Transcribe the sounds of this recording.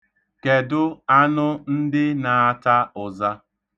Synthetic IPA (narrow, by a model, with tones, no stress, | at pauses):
ke˨dʊ˦a˦nʊ˦n̩˦dɪ˦na˨a˦ta˦ʊ˨za˦